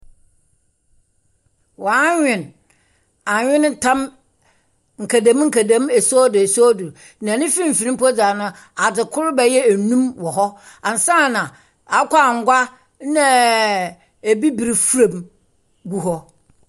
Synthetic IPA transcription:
wɲᶣɪ̃˨n | a˨ɲᶣɪ̃˦nɪ̃˦tʰã˦m | ŋ̩˨kʰa˨dã˨˦m˦ŋ̩˦kʰæ˨dã˨˦mɛ˨sɔ˦dʊ˨e˨sɔ˦du˨ɾ | nã˨nɪ̃˦fi˦m̩˨fi˨ɪ̃˦mpɔ˦d͡za˨nʊ̃˦ | a˨dɪ˨kʰʊ˦ɾbɛ˨jɛ˦æ˨nũ˦mwɔ˨ɦɔ˦ | ã˨n˨sã˦˨nã˨ | a˨˦kʷa˦a˨ŋ̩˦ɡʷa˦ | nã˦ | e˨bi˦bi˨ɾi˨fu˦ɾa˨m | ɡu˦ɦɔ˦

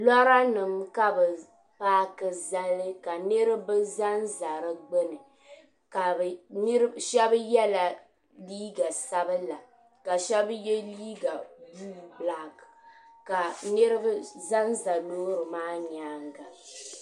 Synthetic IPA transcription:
lɔ˦ɾa˦nɨ˨mka˦bɨ˨ | paː˦kɨ˨za˦lɨ˦ka˨nɨ˦ɾɨ˦bɨ˦za˦nza˨ɾɨ˦ɡ͡bɛ˦nɨ˨ | ka˨n˦ɾʃɛ˦bjɛ˦la˨ | liː˦ɡa˨sa˦bɨ˦la˨ | ka˨ʃɛ˦bjɛ˦liː˦ɡa˨buː˦bla˦kka˨nɨ˦ɾɨ˦bza˦nza˨loː˦ɾɨ˨maː˦ɲaː˨˦ŋɡa˨

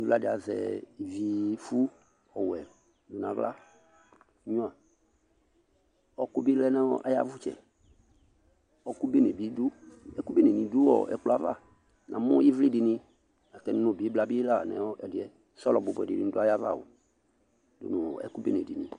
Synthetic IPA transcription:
i˦vla˦dɪ˨a˨zɛ̰˨i˨vi˨fu˦ | ɔ˨wɛ˨ | du˨nã˨vla̰˦ | ɲũ˦a˨ | ɔ˦ku˦bi˦lɛ˦nɛ˦wɔ˦ʔa̰˦ja̰˦vʊ˦t͡ʃɛ̰˨ | ɔ˦ku˦be˦ne˨bi˨˦du˦ɛ˦ku˦be˦ne˨nĩ˨du˦wɔ̰˦˨ɛ̰˨kla˦va̰˦˨ | nʔã˨mɔ̃˦i˦vli˦dɪ˨nɪ̃˧ | na˨t̪ɛ˨n˦ũ˨bi˨˦bla˨˦bi˦la˦˨nɛ̰̃˨wɔ˦ɛ˨dɪ˨ɛ˦ | sɔ˦lɔ˨bʊ˨bɛ̰˨dɪ˨ɪ˨ñ˦dʊ˦a˦ja˦va̰˦˨wo̰˨ | dʊ̰˨nʊ̃˨ɛ̰˦ku˦be˦ne˨di˨nḭ̃˨

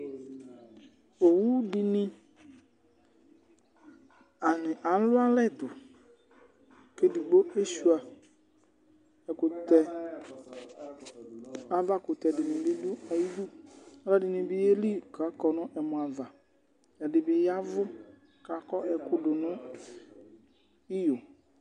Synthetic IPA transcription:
o˨wu˦dɪ˨nɪ̃˦ | a˨nɪ˨ʔa˨lʊ˦a˦lɛ˦˨dʊ˨ | ke˦di˨ɡ͡bo˦e˦ʃu˦a˨ | ɛ˨kʊ˨tɛ˨ | a˨va˦kʊ˨t̪ɛ˨dɪ˨nɪ̃˨bɪ˦dʊ˦a˨ji˦du˦a˦la˦dɪ˨nɪ̃˨bɪ˦je˦li˦ka˨˦kɔ˨nʊ̃˦ʔɛ˨mʊ̃˨a˨va˨ | ɛ˨dɪ˨bɪ˨ja˦vʊ˦ | ka˨˦kɔ˦ʔɛ˨kʊ˦dʊ˨nʊ̃˦ | ɪ˦jʊ˨

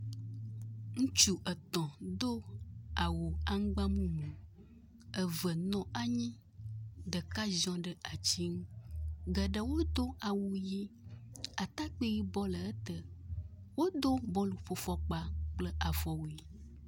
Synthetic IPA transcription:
ŋũ˦t͡ʃu˦ʔə˨t̪ɔ̃˨d̪o˦a˨wo˨a˦ŋ˦ɡ͡ba˦mũ˦nũ˨ | ə˨və˨nɔ̃˦a˦ɲĩ˦ | d̪ə˨ka˦zɔ̃˦ɖə˦ʔa˨t͡ɕi˦ŋũ˦ɡə˨ɖə˦wo˦d̪o˦a˨wu˨ji˦ | a˨t̪a˦k͡pe˦ji˦bɔ˦lə˨ə˦t̪ə˦ | wo˦d̪o˦bɔ̃˦lu˨ɸo˦fɔ˦k͡pa˦k͡plə˦ʔa˨vɔ˨wo˨i˨

